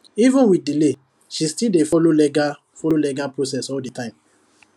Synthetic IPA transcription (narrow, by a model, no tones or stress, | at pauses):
ivũnwidile | ʃistildefɔlolɛɡa | fɔlolɛɡapɹos̬ɛsɔlditãɪ̃m